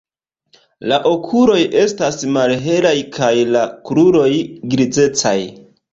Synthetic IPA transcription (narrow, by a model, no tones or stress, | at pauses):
laʔo̞kʰuɾo̞jʔe̞stasmalɦe̞lajkʰajlakɾuɾo̞jɡɾid͡ze̞t͡sa̰j